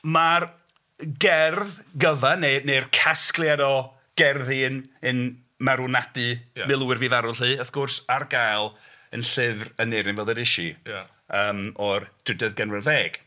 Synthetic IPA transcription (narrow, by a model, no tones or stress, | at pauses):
mar | ɡɛrðɡəvanenerkʰasklˠjadɔ | ɡ̥ɛrðinɨn | maɾunadɨmɪlˠuwɪrvivaɾʊlˠiːəfɡ̥ʊrsarɡajlˠ | ənɬɪvrəneɾɪnvɛlˠəɾɪʃi | əːmɔrd̥ɪdɛðɡənwɛrveːɡ̥